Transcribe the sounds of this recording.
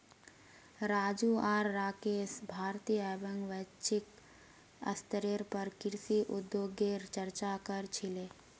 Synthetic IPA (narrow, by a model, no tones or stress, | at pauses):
ɾaːd͡ʒuaːɾːaːkeːsbʱaːɾt̪ijaːbəŋɡʋət͡ʃɪk | ə̰st̪əɾeɾpəɾkɪɾsiʔʊd̪joːɡeɾt͡ʃəɾt͡ʃakəɾt͡ʃʰileː